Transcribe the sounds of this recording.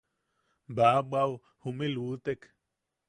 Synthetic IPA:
babaw | humĩlut̪ek

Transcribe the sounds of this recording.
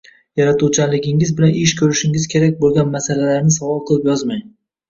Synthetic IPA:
jaɾat̪ʰuwt͡ʃʰalɪɡʲɪŋɪzbɪlanʔɪʃkʲʰɵɾɪʃɪŋɪz̥kʲʰe̞ɾakʲbolˠɡʲanmasalalaɾnɪsavɒlˠqʰɨlˠɪpjɒzmaj

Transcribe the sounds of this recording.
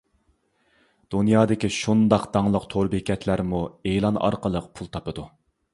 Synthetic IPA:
d̪̥unjɑːd̪ɪkʲiʃund̪ɑqd̪ɑŋlˠəqt̪ʰoɾbekʲʰɛt̪ʰlæɾmuelˠɑnɑ̰ɾqəlˠəq̚pʰulˠt̪ʰɑpɨd̪u

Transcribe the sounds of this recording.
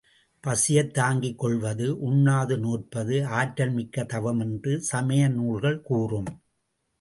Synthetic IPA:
pɐsɪjɐt̪ːaːŋɡɪkːɔɭʋɐðɯʔʊnːaːðɯnuːr̚pɐðɯaːʈɾɐlmɪkːɐt̪ɐʋɐmɛndrɯsɐmɐjɐnuːɭɣɐɭkuːrɯm

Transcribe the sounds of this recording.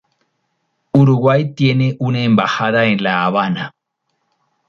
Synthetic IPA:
uɾuɡwajt̪je̞neʔuneːmbahaðaẽnlaːβana

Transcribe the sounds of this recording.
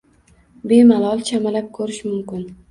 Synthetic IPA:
be̞malˠɒlˠt͡ʃʰamalap̚kʰɵɾɪʃmʊmkʲɪn

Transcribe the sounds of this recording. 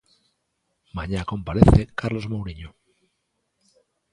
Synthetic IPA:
maɲako̞mpaɾeθekaɾlo̞zmowɾiɲo

